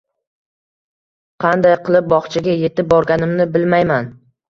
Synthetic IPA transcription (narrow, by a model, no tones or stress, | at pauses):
qʰɑnd̪ajqɨlˠɪp̚bɒχt͡ʃʰaɡʲaje̞t̪ɪp̚bɒɾɡʲanɪmnɪbɪlmajman